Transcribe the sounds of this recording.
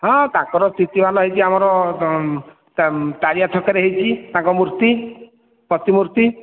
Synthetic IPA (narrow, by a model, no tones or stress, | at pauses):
ɦɔ̃t̪ãkɔɾɔst̪ʰit̪ibanɔɦet͡ʃiamɔɾɔ | t̪aɾijat̪ʰɔkeɾeɦit͡ʃʰit̪ãŋkɔmuɾt̪i | pɔt̪imuɾt̪i